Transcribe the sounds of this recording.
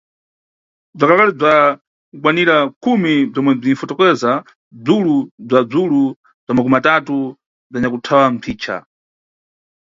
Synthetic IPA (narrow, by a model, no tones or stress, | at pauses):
b͡ʐakalakalib͡ʐa | kukwaniɾakʰumib͡ʐɔmwɛb͡ʐinfɔtɔkɛza | b͡ʐulub͡ʐad͡zulu | b͡ʐamak̬umatatu | b͡ʐaɲakutʰawam̩pʰiːt͡ʃʰa̰